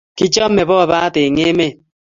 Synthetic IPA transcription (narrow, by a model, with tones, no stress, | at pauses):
ki˦t͡ʃɔ˦m̩˦me˨bɔ˦a˨ba˦te˨ŋe˦me˦˨